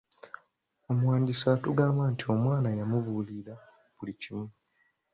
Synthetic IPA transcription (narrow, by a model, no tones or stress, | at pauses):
omwaːɲɟisatuɡaːmbantio̞mwaːnajamuvuliɾa | βulicimu